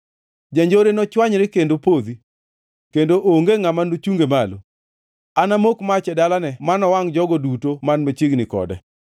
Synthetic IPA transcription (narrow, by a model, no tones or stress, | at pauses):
d͡ʒaɲd͡ʒoɾenɔt͡ʃwaɲɾekendopod̪i | kendoʔoŋɡeŋamanot͡ʃuŋɡemalo̰ | anamokmat͡ʃɛdalanɛmanɔwaŋd͡ʒɔɡɔdutomanmet͡ʃɪɡnɪkɔ̰dɛ